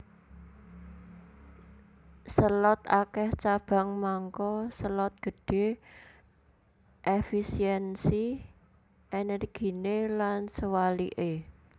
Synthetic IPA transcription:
səlɔt̪a̰kɛht͡ʃab̥a̤ŋmaŋkɔsəlɔt̪̚ɡ̥ə̤ɖ̥e̤ | ʔefisiɛnsi | ʔɛnɛrɡ̥i̤nelansəwalḭʔe

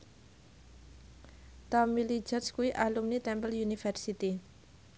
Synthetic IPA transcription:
t̪ɔmili̥d͡ʒɔt̪skuwiʔalumnit̪ɛmpəljunifərsit̪i

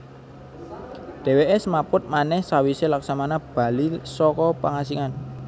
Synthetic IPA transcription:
d̥e̤weʔɛsmapʊt̪̚manɛhsawiselaksamanab̥ä̤lisɔkɔpaŋasiŋan

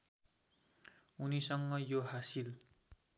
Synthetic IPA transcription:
unisʌŋːʌjoɦasil

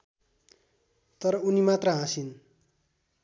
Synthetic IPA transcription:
t̪ʌɾʌunimat̪rʌɦãsin

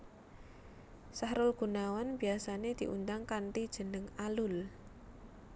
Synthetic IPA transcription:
sahɾʊlɡ̥ṳnawanbi̤asaned̪̥i̤ʔṵnd̪aŋkant̪id̥ʒ̥ə̤nəŋalʊl

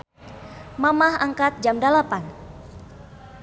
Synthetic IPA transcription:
mamaɦaŋkat̪̚d͡ʒamdalapan

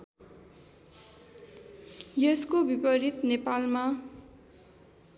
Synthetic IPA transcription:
jʌskobipʌɾit̪nepalma

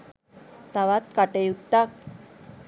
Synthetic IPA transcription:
t̪aβat̪̚kaʈejut̪ːak̚

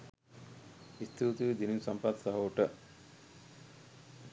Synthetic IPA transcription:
ist̪iut̪uʋid̪ininsɐmpat̪sɐɦɐʋuʈə

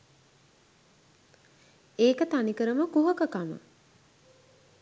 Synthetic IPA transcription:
eːkət̪anikəɾəməkuɦəkəkamə̰

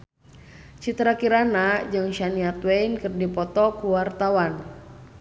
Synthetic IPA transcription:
t͡ʃit̪ɾakiɾanad͡ʒɨŋʃaniat̪weinkərdipɔt̪ɔkuwart̪awan

